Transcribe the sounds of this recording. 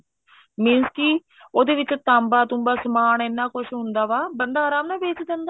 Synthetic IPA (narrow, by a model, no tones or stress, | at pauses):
mĩːnskɪ | oːd̪eːʋɪt͡ʃt̪ãːmbaːt̪ʊmbaːsəmaːneːnːaːkʊʃʰɦʊnd̪aːʋaːbənd̪aːɾaːmnãːbeːt͡ʃd̪ɛ̃nd̪a